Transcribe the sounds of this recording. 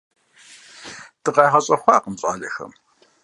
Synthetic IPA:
d̥ɨqɑːʁɐɕʼɐxʷɑːqəmɕʼa̰ːɮɐxɐ̰m

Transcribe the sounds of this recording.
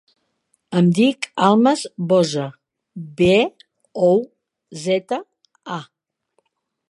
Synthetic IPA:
əmd̪ikalˠməzbɔzə | be | ow | zɛt̪ə | a

